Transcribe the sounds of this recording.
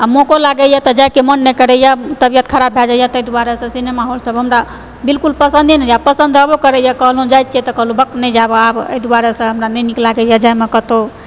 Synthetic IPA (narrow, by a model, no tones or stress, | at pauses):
amokolaɡɛjat̪ɔd͡ʒajkemənːɛkəɾɛjat̪əbjat̪̚kʰəɾabʱɦɛd͡ʒajat̪əjd̪uwaɾesə̃sinemaɦolsəbɦəmɾa | bilkulpəsənd̪ʱinɛd͡ʒapəsə̃nd̪ʱabokəɾɛjakəɦlũd͡ʒajt̪̚t͡ʃʰɛt̪ɔkəɦlubəknɛd͡ʒabeabə̰jd̪uwaɾesə̃ɦəmɾanəniklaɡɛjad͡ʒajmekət̪o